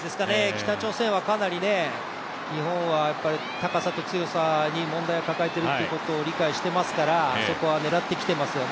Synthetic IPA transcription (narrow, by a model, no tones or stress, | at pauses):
d̪e̞sɨ̥kane̞kʲi̥t̪at͡ɕo̞ːsẽ̞ɰ̃akanaɾʲine̞ | ɲ̟ihõ̞ɰ̃βajapːaɾʲit̪akasat̪o̞t͡sɨjo̞saɲ̟imõ̞nd̪aiakakaet̪e̞ɾɯ̟oiɯɯko̞t̪o̞ːɾʲikaiɕi̥t̪e̞masɨ̥kaɾaso̞ko̞βane̞ɾat̪ːe̞kʲi̥t̪e̞masɨjo̞n